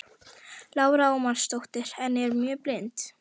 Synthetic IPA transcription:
laːwɾaɔmanst̪owht̪ɪɾɛnɛɾmjœːplejnt̪

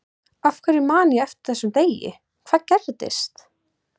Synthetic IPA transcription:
afkʰɛɾɪmaːniɛft̪ɪ̥ɾ̥θɛsːʏmt̪eːjɪ̰ | kʰvaːðcɛɾt̪ɪ̰st̪

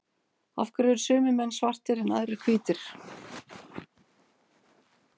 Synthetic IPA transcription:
a̰fkaɾʏʏɾ̥sʏːmɪmɛnːsvar̥t̪ɪɾɛna̰ðɾɪ̥kʰviːt̪ɪɾ̥

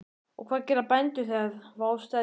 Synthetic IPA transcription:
ɔ̰ɣkʰv̥aːðcɛːɾapɛnt̪ʏθɛðvaːwst̪a

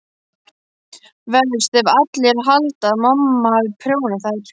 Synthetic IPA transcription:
vɛðʏst̪ɛvat̪lɛɾɦalt̪aðmamːavpʰɾjoːwnaθajt̪

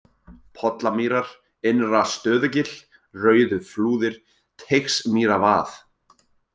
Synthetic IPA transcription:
pʰɔt̪lamiːɾaɾ̥ | ɪnɾast̪œːðʏcɪl̥ | rœːɥðʏfluːðɪɾ̥ | t̪ʰejxsmiːɾavaːθ

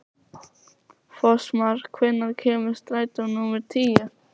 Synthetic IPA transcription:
fɔsmaɾ̥kʰvɪnːaɾkʰɛːmɪ̥st̪ɾaːjt̪awnumɛɾ̥t̪ʰiːjʏ

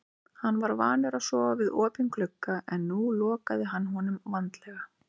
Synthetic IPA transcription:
hanːvaɾvaːnʏɾaðsɔːvavɪðɔːpɪnkʰlʏkːaʔɛnːulɔːkaðɪɦanːɦɔnʏmvant̪lɛɣa

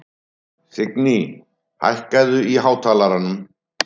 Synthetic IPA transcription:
sɪkni | ha̰jhkajðʏiɦaːwt̪ʰaːlaɾanːʏm

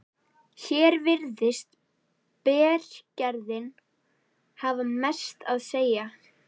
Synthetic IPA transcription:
çɛːɾvɪɾðɪst̪ | pɛːr̥cɛɾðɪn | haːvamɛ̥st̪aðseːja

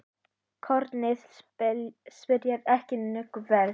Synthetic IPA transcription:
kʰɔɾt̪nɪð | spɪɾjɛðɛhcɪnʏkvɛɾ

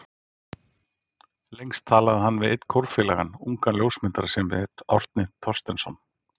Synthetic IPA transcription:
lejŋst̪ʰaːlaðɪɦanːvɪðɪt̪n̥kʰɔwɾ̥fɪːlaɣanuŋkanljowsmɪnt̪aɾasɛmvɪ̰ðɪt̪ɔr̥t̪nɪt̪ʰɔr̥st̪ɛnsɔn

